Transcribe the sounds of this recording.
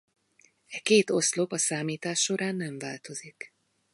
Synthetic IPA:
ɛkeːt̪o̞slo̞pɒsaːmiːt̪aːʃːo̞ɾʔaːnːɛɱvaːlt̪o̞zik

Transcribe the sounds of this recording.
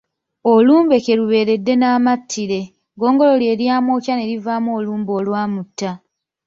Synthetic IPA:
oluːmbe̞ke̞ɾuβe̞ːɾe̞dːe̞naːmatʰːiɾe̞ | ɡo̞ːŋɡo̞lo̞lje̞ːɾjaːmo̞ːcane̞ɾivaːmuo̞ːluːmbo̞ːlwaːmutːa

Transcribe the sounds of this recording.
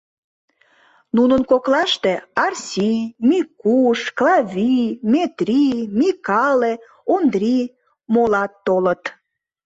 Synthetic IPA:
nunənkoklɑʃt̪eɑrsʲimikuʃklɑvʲimʲet̪rʲimʲikɑle | ond̪rʲi | molɑt̪ːolə̆t̪

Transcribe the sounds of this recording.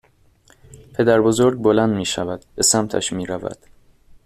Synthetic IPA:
pʰe̞d̪æɾbo̞zoɾɡ̚bolænd̪miːʃævæd̪̥be̞sæmt̪ʰæ̰ʃmiːɾævæ̰d̪̥

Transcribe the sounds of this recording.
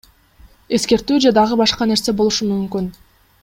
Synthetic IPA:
e̞ske̞ɾt̪ːyːd͡ʒed̪ɑʁɯbɑʃqɑne̞ɾse̞bo̞lˠuʃumymkyn

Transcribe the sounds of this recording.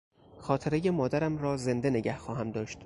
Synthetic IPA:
xɒːt̪ʰe̞ɾeje̞mɒːd̪æɾæmɾɒːze̞nd̪e̞ne̞ɟæhxɒːɦæmd̪ɒːʃt̪

